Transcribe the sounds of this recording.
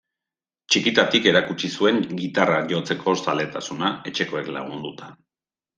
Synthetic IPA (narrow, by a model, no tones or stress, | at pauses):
t͡ʃikit̪at̪ike̞ɾakut͡ʃisue̞ŋɡit̪araʝo̞t͡se̞kʰo̞sale̞t̪asunae̞t͡ʃe̞ko̞e̞kla̰ɣ̞und̪ut̪ḁ